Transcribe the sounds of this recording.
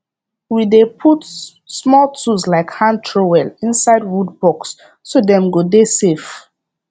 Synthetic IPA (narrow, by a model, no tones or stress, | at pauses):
widepʰut | smɔltʰuzlaɪkhãntʰɹowɛlĩnsaɪdwud̚bɔksː | odɛ̃mɡodesef